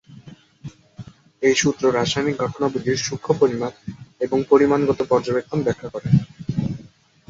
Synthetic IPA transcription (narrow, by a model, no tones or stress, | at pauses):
ejʃut̪ːɾoɾaʃajmik̚ɡʱɔʈonabud̪iɾʃukʰːopoɾimaneboŋpoɾimanɡɔt̪opɔɾd͡ʑobek̚t̪ʰonbɛkʰːakɔɾe